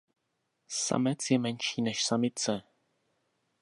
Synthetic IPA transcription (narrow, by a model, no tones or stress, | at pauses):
sa̰mɛt͡sjɛmɛnʃiːnɛʃsamɪt͡sɛ